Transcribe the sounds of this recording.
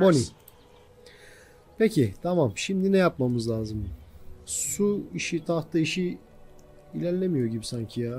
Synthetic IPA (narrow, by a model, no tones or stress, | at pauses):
moni | pecʰit̪ʰamamʃimd̪inɛjapmamɯzlʲˠaːzɯm | suiʃit̪ʰaht̪ʰaiʃi | ilʲæɾlʲemijo̞ɟibisaɲcʰija